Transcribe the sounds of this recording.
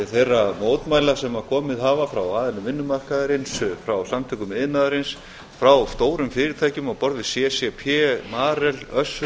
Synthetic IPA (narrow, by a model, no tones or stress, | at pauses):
θejrːamoːwt̪maːjlasɛmakʰɔːmɪðɦaːvafɾawaːðɪlnʏmvɪnːʏmar̥kaðaɾɪnsfɾawsamt̪ʰœkʏmɪðnaːðaɾɪns | fɾawst̪oːwɾʏmfɪːɾɪɾt̪ʰaːjcʏmawpɔɾðɪsɛsɛpʰɛmaːɾɛlœs